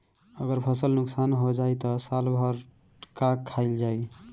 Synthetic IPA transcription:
əɡəɾpʰəsəlnʊksanɦod͡ʒajt̪ɔsalbʱəɾ | kakʰːaɪld͡ʒaj

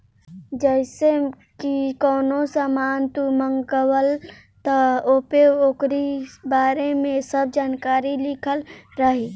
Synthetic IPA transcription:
d͡ʒɛɪse | kikɔːnosaːmaːnt̪uməŋɡəwəl | t̪əoːpeokɾibaːɾemẽsəb̚ʱd͡ʒaːnkaːɾilɪkʰəlɾəɦi

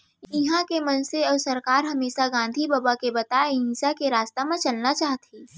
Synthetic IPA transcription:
ɪɦãkemɐnseɐːsɐɾkaːɾɦɐmeːʃaɡãːnd̪ʱibaːbakebɐt̪aːeɦɪ̃nsakeɾaːst̪amãt͡ʃɐlnat͡ʃaːɦt̪ʰiː

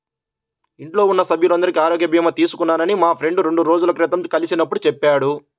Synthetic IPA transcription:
iɳʈlo̞ːunːɐsɐbʱjulɐnd̪ɐɾikiaːɾoːɡjɐbʱiːmɐt̪iːsu̥kunːaːnɐnimaːpʰɾe̞ɳɖuɾe̞ɳɖuɾo̞ːd͡ʒulɐkɾit̪ɐmkɐlisinɐpːuɽut͡ʃɛpːaːɽu

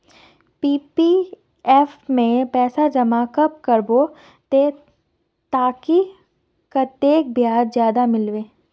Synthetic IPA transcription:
piːpi | ɛːfmẽpɛːsad͡ʒɐmaːkəp̚kəɾbo | t̪e | t̪aːki | kat̪eːk̚bjaːd̪zjaːd̪amɪlʋeː

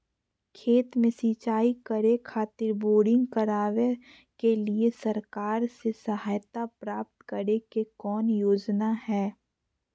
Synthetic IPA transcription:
kʰeːt̪mẽsiːt͡ʃaːikəɾekʰaːt̪ɪɾboːɽɪ̃ŋɡkəɾaːʋe | keliesɐɾkaːɾsesəɦaːjt̪apɾaːp̚t̪kəɾekekɔːnjoːd͡ʒnahɛː

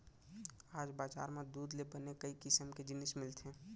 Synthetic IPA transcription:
aːd͡ʒbaːd͡ʒa̰ːɾmẽd̪uːd̪lebənekəikɪsəmked͡ʒɪnɪsmɪlt̪ʰẽː

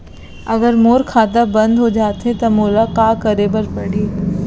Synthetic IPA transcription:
ɐɡəɾmoːɾkʰaːt̪abɐ̃nd̪ɦod͡ʒaːt̪ɦet̪ɐmoːlakaːkɐɾebɐɾpɐɽeː

